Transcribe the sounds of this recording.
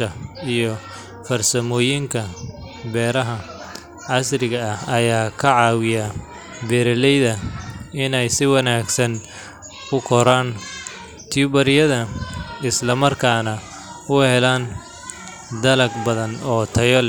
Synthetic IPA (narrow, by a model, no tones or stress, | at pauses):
ɐijɔ | fɐrsɐmɔːjɪŋkʰɐ | bɛːɾɐɦɐ | ʕɑsrɪɣɐɐhɐjaːkʰɐʕɑːwɪja | bɛːɾɐlɛjðɐɪnɛjsɪwɑnaːɡsɐn | kʰʊkʰɔɾaːn | t̪ʰiubɐɾɪjɐðɐɪslɐmɐrkʰaːnɐ | ʊhɛlaːn | d̪ɐlɐɡbɐðɐnɔːt̪ʰɐjɔl